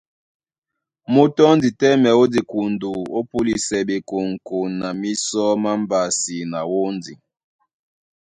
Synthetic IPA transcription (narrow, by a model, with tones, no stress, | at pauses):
mo˦tɔ˦ndi˨tɛ˦mɛ˨o˦di˨ku˨ndu˨o˦pu˦li˨sɛ˨be˨ko˨ŋ˨ko˨nːa˨mi˦sɔ˦ma˦m˦ba˨si˨na˨wo˦nd͡zi˨